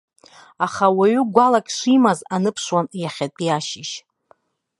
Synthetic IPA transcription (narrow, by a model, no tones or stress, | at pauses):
aχawaɥʏɡʷalakʲʼʂʷimazanɨpʰʂwanjaχʲatʼijaʃɪʃ